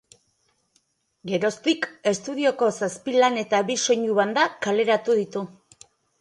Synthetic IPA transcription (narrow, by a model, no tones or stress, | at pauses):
ɡe̞ɾo̞st̪ike̞st̪uð̞io̞ko̞saspilane̞t̪aβiso̞ɲuβand̪akale̞ɾat̪uðit̪u